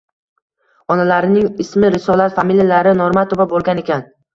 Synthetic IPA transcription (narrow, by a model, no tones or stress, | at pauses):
ɒnalaɾɪnɪŋɪsmɪɾɪsɒlat̪familjalaɾɪnoɾmat̪ʰobabolˠɡʲane̞kʲʰan